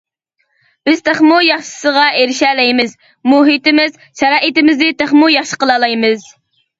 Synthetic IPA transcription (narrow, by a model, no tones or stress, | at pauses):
b̥ɪz̥t̪ʰæχmujɑχʃɪ̥səʁɑeɾɪʃɛlɛjmɪz | muɦit̪ɪmɪz | ʃɛɾɑːʔit̪ɪmɪznɪt̪ʰæχmujɑχʃə̥qəlˠɑlˠɑjmɨz